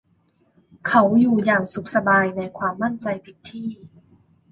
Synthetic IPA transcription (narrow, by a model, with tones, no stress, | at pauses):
kʰa˦˥wjuː˨˩jaː˨˩ŋsu˨˩k̚sa˧baː˧jna˧jkʰwaː˧mːa˥˩nt͡ɕa˧jpʰi˨˦˩t̪ʰːiː˥˩